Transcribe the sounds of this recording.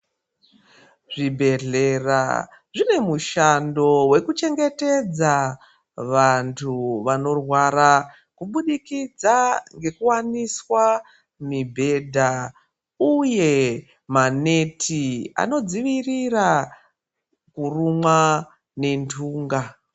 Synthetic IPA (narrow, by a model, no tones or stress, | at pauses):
ʐibʱe̞ɮera̰ | ʐine̞muʃando̞we̞kut͡ʃe̞ŋɡe̞te̞d͡za | ʋantʰuʋano̞rwaɾa | kuɓuɗikid͡zaŋɡe̞kuwaniswa | mibʱe̞dʱa | uje̞ | mane̞tʰia̰no̞d͡ziʋirira | kurumwa | ne̞ntʰuːŋɡa